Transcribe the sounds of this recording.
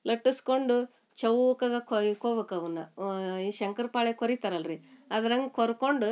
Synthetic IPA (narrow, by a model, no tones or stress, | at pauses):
lɐʈːiskoɳɖu | t͡ʃɐwkɐɡɐkoikoːbekɐʋɐnːɐiʃɐŋkɐɾpaːɭekoɾit̪aːɾɐlɾiɐd̪ɐɾɐŋɡɐkoɾkoɳɖu